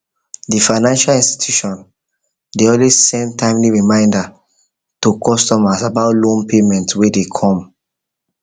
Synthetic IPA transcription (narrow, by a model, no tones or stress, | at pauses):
difaɪnãnʃalĩnsti̥tʰjuʃɔ̃n | deɔlwezsɛ̃ndtʰãɪ̃mliɹimãɪ̃nda | tokʰɔstɔmasabaʊtlõnpʰemɛ̃ntwedekʰɔ̃m